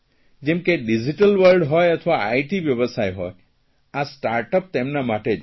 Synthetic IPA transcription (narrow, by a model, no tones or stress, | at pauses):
d͡ʒemkeɖid͡ʒiʈəlwəɾɖɦɔjɔt̪ʰɔbaajʈibjɔbɔsajɦɔj | asʈaɾʈɔp̚t̪emnamaʈe